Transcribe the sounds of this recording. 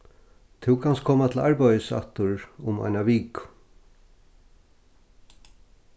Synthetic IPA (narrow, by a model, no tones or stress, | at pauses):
t̪ʰɪwkʰanskʰoːmat̪ʰɪlaɹpajəsa̰t̪ʊɹʊma̰jnaʋiːk